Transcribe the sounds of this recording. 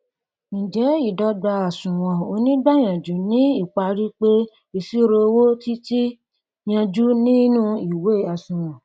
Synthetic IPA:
ñ̩˨d͡ʒɛ˨˦i˦˨dɔ˧˦da˧a˨sũ˨w̃ɔ̃˨o˧nĩ˦ɡ͡ba˦˨j̃ã˨d͡ʒu˨˦nĩ˨˦i˦˨k͡pa˧ɾi˦k͡pe˦ | i˧si˦ɾo˧wo˦ti˦ti˦ | j̃ã˧d͡ʒu˦nĩ˦nũ˦i˨we˨˦˨a˨sũ˨w̃ɔ̃˨

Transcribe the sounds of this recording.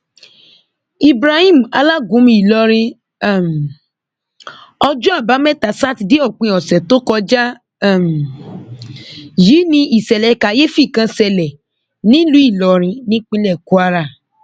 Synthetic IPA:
i˨bɾa˧hĩ˦˨m˨a̰˧la˦ɡũ˨˦mĩ˧˦i˨lɔ˧ɾ̃ĩ˧˦˨ | m˨ | ɔ˧d͡ʒũ˦a˦˨ba˨˦mɛ˦˨ta˨sa˦ti˧de˦ɔ˦˨k͡pĩ˧˦ɔ˨sɛ˨to˦kɔ˧d͡ʒa˦˨ | m˨ | jiː˨˦nĩ˧ʔi˨sɛ˨lɛ˨˦ka˨je˦fi˦˨kã˧sɛ˨lɛ˨ | nĩ˦lu˨˦i˦˨lɔ˨˧ɾ̃ĩ˧nĩ˦k͡pĩ˧lɛ˦˨ku˨˦a˧ɾa˦˨

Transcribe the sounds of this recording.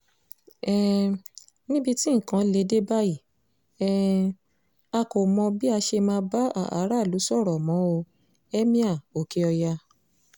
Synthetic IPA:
ɛ˨ | nĩ˦bi˧ti˦ŋ̩˨kã˨˦le˧˦de˦ba˦i˦˨ | ɛ˨ | a˧ko˨mɔ̃˧bi˦a˧ʃe˧mãː˧˦ba˦a̰˦˨ʔa˨˦ɾa˦˨lu˨˦sɔ˦˨ɾɔ˨mɔ̃˨˦o˧ | ɛ˦mĩ˦a˦˨o˨ke˧ɔ˧ja˧

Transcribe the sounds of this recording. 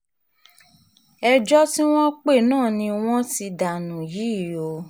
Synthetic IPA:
ɛ˧d͡ʒɔ˦ti˦w̃ɔ̃˦k͡pe˦˨nãː˦˨nĩ˧w̃ɔ̃˦ti˧da˨nũ˨ji˨˦˨o˨˧˦

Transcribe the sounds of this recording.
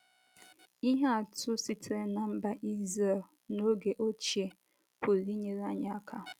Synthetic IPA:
i˦ɦa˦a˨tʊ˦si˨tʰɾe˨na˨m̩˦ba˦ʔi˦ze˨l | no˦ɡe˨ʔo˦t͡ʃe˨ | pʰʊ˨li˦ɲe˨ɾa˦ɲa˦a˦kʰa˦˨

